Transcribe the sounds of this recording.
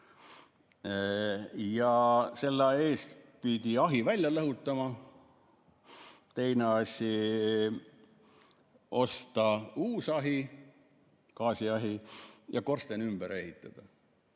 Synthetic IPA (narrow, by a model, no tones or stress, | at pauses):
jɑse̞lːɑe̞ːst̪pid̪̥iɑɦivælʲjɑlɤɦut̪ːˑɑmɑ | t̪e̞jneɑsʲji | o̞st̪ɑuːsɑɦi | kɑːsʲiɑɦijʔɑ̰ko̞rst̪enymb̥eɾe̞ɦit̪ːˑɑd̪̥ɑ